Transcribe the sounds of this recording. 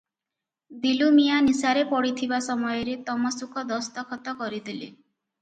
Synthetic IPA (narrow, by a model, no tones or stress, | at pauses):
d̪ilumijanisaɾepɔɽit̪ʰibasɔmɔjɔɾet̪ɔmɔsukʰɔd̪ɔst̪ɔkʰɔt̪ɔkɔɾid̪ilḭ